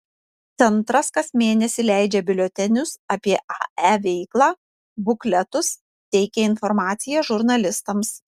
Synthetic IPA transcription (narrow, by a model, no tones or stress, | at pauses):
t̪sʲɛnt̪ɾɐskɐsmʲeːnʲɛsʲɪlʲæˑɪd͡ʒʲɛbʲɪlʲot̪ʲɛnʲʊsɐpʲiɛʔɑæːʋʲɛɪklˠɑː | bʊklʲɛt̪ʊs | t̪ʲɛɪkʲɛɪnfɔɾmɑːt̪sʲɪjɛʒʊɾnɐlʲɪst̪ɐms